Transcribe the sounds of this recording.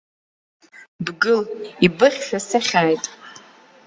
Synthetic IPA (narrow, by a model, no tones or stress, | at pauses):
bɡɨlibɨχʲʃᶣasaχʲaːjtʼ